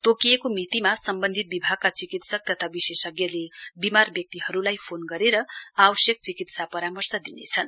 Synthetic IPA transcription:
t̪okijekomit̪imasʌmbʌnd̪ʱit̪̚bibʱaɡ̚kat͡sikit̪sʌk̚t̪ʌt̪ʰabisesʌɡjʌlebimarbjʌk̚t̪iɦʌɾulajpʰonɡʌɾeɾʌabʌsjʌk̚t͡sikit̪sapʌɾamʌrsʌd̪inet͡sʰʌn

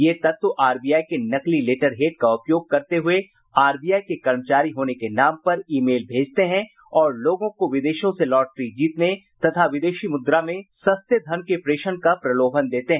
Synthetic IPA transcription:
jeːt̪ɐt̪wəʔaːɾbijaːikenɐklileːʈəɾɦeːʈkaʊpjoːɡ̚kɐɾt̪eɦʊe | aːɾbijaːikekɐɾmət͡ʃaːɾiɦoːnekenaːmpɐɾiːmeːlbʱeːd͡ʒt̪eɦɛ̃ | ɔːɾloːɡõkoʋɪd̪eːʃõselɔːʈ̚ʈɾid͡ʒiːt̪net̪ɐt̪ʰaʋɪd̪eːʃimʊd̪ɾamẽsɐst̪ʰjəd̪ʱɐnkepɾeːʃənkapɾɐloːbʱənd̪eːt̪eɦɛ̃

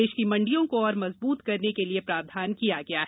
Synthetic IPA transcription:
eːʃkimɐ̃ɳɖijõkoɔːɾmɐzbuːt̪kɐɾnekeliepɾaːʋd̪ʱaːnkijaɡɐjaːɦ

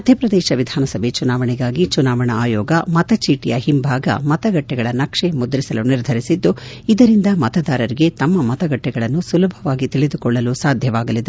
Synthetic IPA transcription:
ɐd̪ʱɐpɾɐd̪ɛːʃɐʋid̪ʱaːnɐsɐbʱet͡ʃunaːʋɐɳɛɡaːɡit͡ʃunaːʋɐɳɐaːjɔːɡɐmɐt̪ɐt͡ʃiːʈijɐhimbʱaːɡɐ̰mɐt̪ɐɡɐʈːɛɡɐɭɐnɐkʂemud̪ɐɾisɐluniɾd̪ʱɐɾisid̪ːuid̪ɐɾind̪ɐmɐt̪ɐd̪aːɾɐɾiɡe̞t̪ɐmːɐmɐt̪ɐɡɐʈːɛɡɐɭɐnːusulɐbʱɐʋaːɡit̪iɭid̪ukɔɭːɐlusaːd̪ʱjɐʋaːɡɐlid̪e

